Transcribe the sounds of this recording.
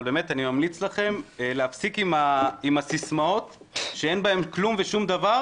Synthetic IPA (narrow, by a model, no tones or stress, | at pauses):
lbeme̞t̪animamlit͡slaχe̞mleafsikimaimasismao̞t | ʃeenbae̞mklumveʃumd̪ava